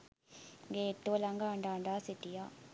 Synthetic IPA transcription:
ŋɡeːt̪ːolaŋɡaːɳɖaːɳɖaːsit̪ijaː

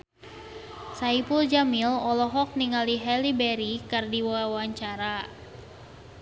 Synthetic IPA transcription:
saipuld͡ʒamilɔlɔɦɔk̚niŋaliɦɛlibɛɾikardiwawaɲt͡ʃaɾa

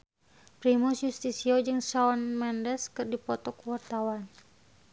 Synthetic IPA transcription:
pɾimusjust̪isiod͡ʒɨŋsawanmandɛskɨrdipɔt̪ɔkuwart̪awan

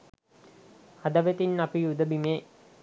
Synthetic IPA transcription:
ad̪əʋet̪inːapijud̪əbimeː

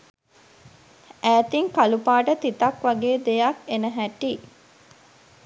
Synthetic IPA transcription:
æːt̪iŋkalupaːʈət̪it̪ɐkʋaɡeːd̪ejakenəɦæʈi

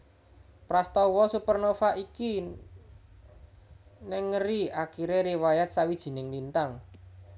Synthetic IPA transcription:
pɾast̪ɔwɔsupərnofaʔiki | nɛŋːəɾiakiɾeɾiwajat̪̚sawid̥ʒ̥i̤nɪŋlint̪aŋ

